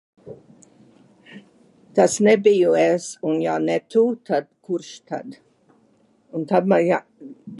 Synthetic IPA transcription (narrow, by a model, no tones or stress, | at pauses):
t̪asnɛbijuɛsunjanet̪ut̪ʰad̪̥kuɾʃt̪ʰad̪ | unt̪abmaja